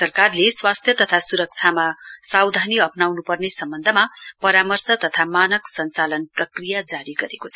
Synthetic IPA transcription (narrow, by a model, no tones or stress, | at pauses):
sʌrkarleswast̪ʰjʌt̪ʌt̪ʰasuɾʌk̚t͡sʰamasawd̪ʱaniʌpnawnupʌrnesʌmbʌnd̪ʱʌmapʌɾamʌrsʌt̪ʌt̪ʰamanʌksʌnt͡salʌnprʌkrijad͡zaɾiɡʌɾekot͡sʰ